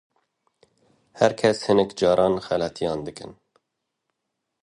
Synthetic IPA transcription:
hɛɾkʰɛshɨnɛkd͡ʒɑːɾʔɑːnxɛlɑt̪ʰijɑːnd̪ɨkɨ̰n

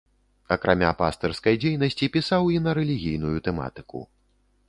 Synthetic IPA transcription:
ɐkɾʔamʲa̰pa̰st̪ɛrskɐjd͡zʲejnɐsʲt͡sʲipʲisawinɐɾɛlʲiɣʲijn̪ujut̪ɛma̰t̪ɨ̥kṵ

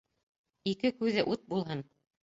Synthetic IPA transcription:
ikɘkʉðɘʔut̪̚bulˠɦɤn

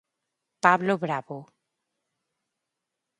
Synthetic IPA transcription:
pablobɾabo

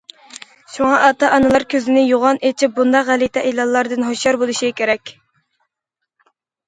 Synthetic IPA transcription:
ʃuŋɑʔɑt̪ɑʔɑnɨlˠɑɾkʲʰøzɪnɪjoʁɑnet͡ʃʰip̚bund̪ɑqʁælit̪ʰɛʔilˠɑlˠːɑɾd̪ɨnɦoʃjɑɾbolˠuʃikʲʰeɾɛkʲ

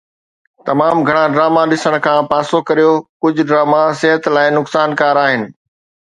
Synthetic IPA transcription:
t̪ɐmaːmɡʱɐɽ̃ãɖɾaːmaɗɪsəɽ̃kʰãːpaːsokɐɾijokʊd͡ʑʱʊ̆ɖɾaːmasɪɦət̪laːɪnʊksaːnkaːɾaːɦɪnɪ̆

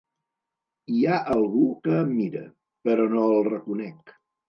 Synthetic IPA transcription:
iaʔəlˠɣukəːmmːiɾə̰ | pəɾɔnoəlˠrəkunɛk

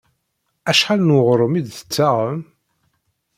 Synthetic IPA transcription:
æʃħalnəʁɾˤəmid̪θə̥t͡sːaʁəm

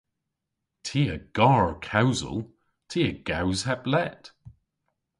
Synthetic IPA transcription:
tʰiːəɡ̥ɑːɹkʰawzə̰lˠ | tʰiːəɡ̥awz̥haplɛt

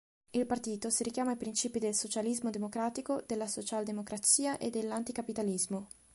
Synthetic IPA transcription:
ilpart̪iːt̪osiɾikjaːmajpɾint͡ʃiːpid̪elsot͡ʃalizmod̪emokɾaːt̪ikod̪elːasot͡ʃald̪emokɾat̪siːaʔed̪ːelːant̪ikapit̪alizmo

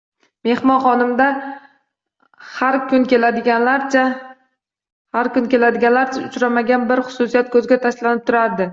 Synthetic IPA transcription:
me̞hmɒnχɒnɪmd̪a | haɾkʲʰʊnkʲe̞lad̪ɪɡʲanlaɾt͡ʃʰa | haɾkʊnkʲe̞lad̪ɪɡʲanlaɾt͡ʃʰaʊt͡ʃɾamaɡʲanbɪɾχʊ̥sʊsijat̪kʰɵzɡʲat̪ʰaʃlanɪp̚t̪ʰʊɾaɾd̪ɪ

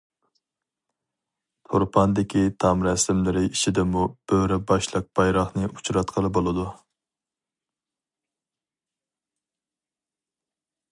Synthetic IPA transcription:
t̪ʰoɾpʰɑnd̪ɪkʲʰit̪ʰɑmɾɛslɪmlɪɾɪit͡ʃʰid̪ɪmub̥øwɾɪbɑʃlˠəq̚b̥ɑjɾɑχnɨʔut͡ʃɾɑt̪qʰəlˠɨbolˠɨd̪u

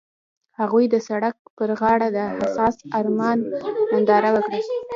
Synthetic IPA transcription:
haɣujd̪əsaɽak̚pəɾɣɑɽad̪əhasɑsaɾmɑnmand̪ɑɾawəkɽə

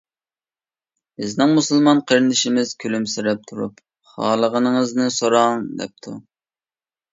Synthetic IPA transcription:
bɪznɪŋmusɨlˠmɑnqʰəɾɪnɪʃimɪz̥kʲʰølymsɪɾɛp̚t̪ʰuɾup | χɑ̰ːlˠəʁənəŋəznɪsoɾɑŋd̪ɛ̰p̚t̪ʰu

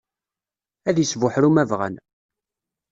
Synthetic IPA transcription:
æðjisvʊħɾumævʁə̰n

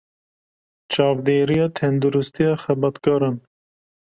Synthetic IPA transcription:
t͡ʃɑːvd̪eːɾijɑːt̪ʰɛnd̪uɾust̪ijɑːxɛbɑt̪kɑɾɑn

